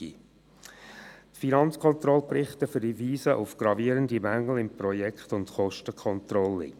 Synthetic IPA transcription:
ḭ | tfinɑnt͡skʰɔntɾɔlprɪχtəfʏɾdiviːsəʔʊ̰fɡ̥ɾɑviəɾəndimæŋːl̩ɪmpɾɔjɛkχtʊntχɔʃtəkχɔnt̪ɾɔlːɪ̰

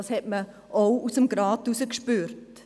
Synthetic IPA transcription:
ɑshɛtmə | ʔowusəmɡɾɑːtusəkʃpyːɾt

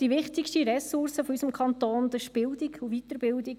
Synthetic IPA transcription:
d̥iʋɪχt̪ɪkʃtiɾɛsʊrsəfɔysəmkʰχɑnt̪oːnd̪əʃpɪld̪ikʰuʋit̪əɾbɪld̪ik

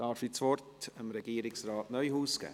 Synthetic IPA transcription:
ɑːɾfit͡sʋɔrtəmɾɛɡ̥iːɾɪksrɑːtnœʏhuːsɡ̥æ̰ː

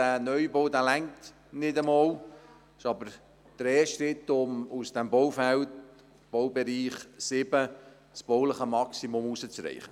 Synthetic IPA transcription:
ænœʏbowdælæŋt̪ | nɪdəmɔːl | ɪʃɑbəɾ | d̥əɾɛːʃtɾɪt̪ːʊmusd̥ɛmbɔwfælt | b̥ɔwbɛɾiːχsɪbə | t͡sb̥ɔwləχəmɑksimʊmusət͡sɾɛ̰ɪχə

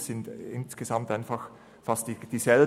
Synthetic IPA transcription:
sɪndɪ̰nsɡ̥ezamtaɪnfɑx | fastd̥id̥iːzɛl

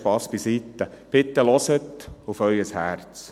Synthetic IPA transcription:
pɑspisit̪ːəpɪt̪ːəlɔsət̪ufœʏəshæɾt͡s

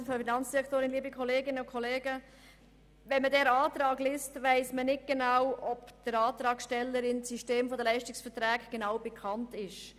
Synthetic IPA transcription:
fɔfinɑnt͡sd̥iɾɛkʰtoːɾɪnliːbikʰɔleːɡɪnəʊkʰɔleːɡə | ʋɛnmədɛːɾɑːtɾɑːɡlɪːstʋæɪsmənɪt̚ɡ̥enawɔpd̥əɾɑːtɾɑːkʃtɛlːəɾɪnsiʃteːmfodəlɛɪʃtɪksfətɾɛːkɡ̥enaʊbekʰɑntɪʃ

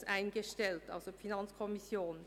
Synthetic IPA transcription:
sʔaɪnɡəʃtɛltʔa̰lzofinant͡skʰɔmisjoːn

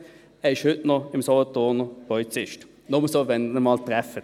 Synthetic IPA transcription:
ɛɪʃhʏtnɔɪmsɔlɔt̪oːnəpɔlit͡sɪʃt | nɔməsoːvɛnəmɑːlt̪ʁɛfə

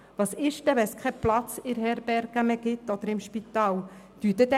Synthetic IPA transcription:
ʋɑsɪʃtɛʋɛnskʰɛplɑt͡sɪɾɦɛɾb̥ɛɾɡ̥æmɛɡ̥ɪtːɔd̥̪əɾɪmʃpit̪ɑːl | d̥ytɛd̪ɛ

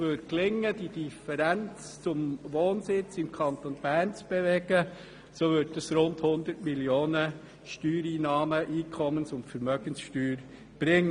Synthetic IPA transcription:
ʋøtklɪŋːəd̥id̥ifəɾænt͡s | t͡sʊmʋoːnsɪt͡sɪmkʰɑnt̪onb̥æːɾnt͡sb̥eʋɛɡ̥ə | soːʋʏt̚dɑsɾʊnthʊnd̪ətmiljoːnə | ʃtyːɾiːnɑːməʔiːkʰɔmənsʊntfəɾmœɡ̥ənsʃtyːɾ | b̥ɾɪŋːə

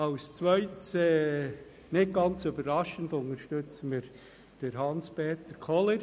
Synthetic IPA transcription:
ɑʊst͡sʋœʏtsɛ | nɪt̚ɡ̥ɑnt͡sʏbəɾɾɑʃəndʊnəɾʃtøt͡səməɾ | d̥əɾɦɑnspeːt̪əɾkʰɔləɾ

